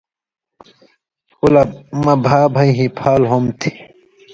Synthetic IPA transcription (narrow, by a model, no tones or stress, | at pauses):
kulɐmɐbʱaːbʱɐiɦĩpʰaːlɦomt̪ʰi̥